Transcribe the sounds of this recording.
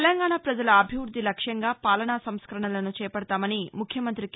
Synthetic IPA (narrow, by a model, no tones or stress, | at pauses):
lɐŋɡaːɳaːpɾɐd͡ʒɐlɐːbʱiʋɾud̪ʱːilɐkʂjɐŋɡaːpaːlɐɳaːsɐmskɐɾɐɳɐlɐnut͡ʃɛːjɐpɐɽɐt̪aːmɐnimukʰjɐmɐnt̪ɾik